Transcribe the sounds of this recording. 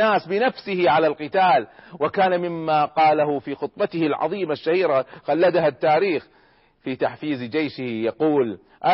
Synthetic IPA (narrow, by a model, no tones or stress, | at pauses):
aːsbɪnafsɪhɪʕalalqɨt̪aːlwɪkaːnamɪmːaːqɑːlaɦʊfiːxʊt̪ˤbɑt̪ɪhɪlʕɑ̰ðˤiːmaʃːahiːɾaxalːad̪aɦat̪ːaːɾiːx | fiːt̪aħfiːzd͡ʒejʃɪhjɑquːl | ʔa